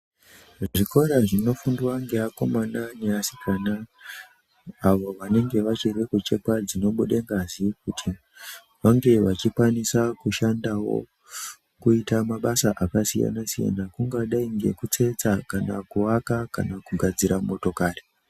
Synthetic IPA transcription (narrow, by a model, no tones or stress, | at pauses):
ʐʐiko̞ɾaʐino̞fundwaŋɡe̞ako̞manaɲeasi̥kaːna | ʋo̞ʋane̞ŋɡe̞ʋat͡ʃiɾekut͡ʃe̞kad͡zino̞ɓuɗeŋɡazikutʰi | ʋaŋɡe̞ʋat͡ʃikwanisakuʃandawo̞̰ | kuitamaɓasaʔakasija̰nasija̰nakuŋɡaɗaiŋɡe̞̰kut͡se̞t͡sakanakuʋakaka̰nakuɡʱad͡ziɾamo̞to̞kaːri